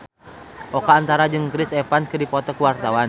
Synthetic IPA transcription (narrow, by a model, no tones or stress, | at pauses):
ʔɔkaːnt̪aɾad͡ʒɨŋkɾisɛfanskɨdipɔt̪ɔkuwart̪awan